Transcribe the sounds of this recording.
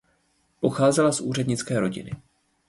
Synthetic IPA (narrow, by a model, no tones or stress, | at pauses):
po̞xaːzɛlasʔuːr̝ɛdɲɪt͡skɛːɾo̞ɟɪ̰nɪ